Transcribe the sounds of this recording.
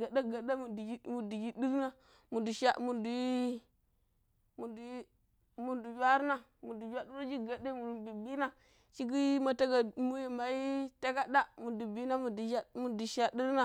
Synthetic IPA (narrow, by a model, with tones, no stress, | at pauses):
ɡa˨da˦ɡa˨da˦mu˨dɡi˦mu˨du˨ɡi˦di˦ɾna˦ | mu˨du˨ʃa˦mu˨du˨˦ | mu˨du˨˦ | mu˨du˨d͡ʒʷa˦ɾna˦˨mu˨du˨d͡ʒʷa˦du˦ɾa˦d͡ʒi˦ɡa˨de˦mu˨bi˨bi˦na˦ | t͡ʃi˦ɡi˦ma˨ta˦ɡa˨mu˦jma˨i˦ta˦ɡa˦da˦mu˨du˨bi˦na˦mu˨a˦mu˨du˨ʃa˨di˦ɾna˦